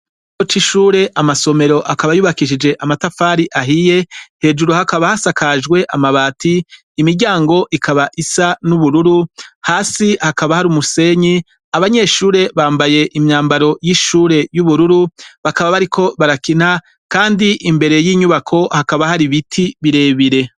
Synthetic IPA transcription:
ot͡ʃiʃuːɾe̞ʔamaso̞me̞ɾo̞ʔakaβajuβakiʃ̬id͡ʒe̞ʔamatafaːɾiʔaɦije̞he̞ːd͡ʒuɾuhakaβahasakʰaʒɡwe̞ʔamaβaːtiː | miɾɟaːŋɡo̞ʔikʰaβaʔisanuβuɾuɾuhaːsihakaβahaɾumuse̞ɲi | aβaɲe̞ʃuːɾe̞βaːmbaje̞ʔimɲaːmbaɾo̞jiʃuːɾe̞juβuɾuɾuβakaβaβaɾikʰo̞βaɾakin̥ha | kaːndiʔimbe̞ɾe̞jiːɲuβakʰo̞hakaβahaɾiβitʰiβiɾe̞ːβiɾe̞

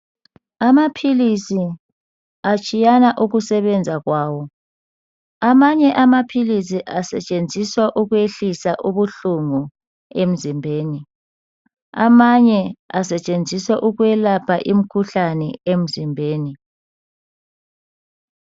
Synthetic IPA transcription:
amapʰilisi | at͡ʃʼijanaʔuɣusɛβɛnd͡zʱaɣwaːwɔ | amaɲɛʔamapʰilisiʔasɛ̰t͡ʃʼend͡zʱiswaʔuɣweɬisaʔuβuɬuŋu | em̩zimbʱeːni | a̰maɲɛasɛt͡ʃʼend͡zʱiswɛʔuɣwɛlapʰaʔim̩kʰuɬanɛem̩zimbʱeːni

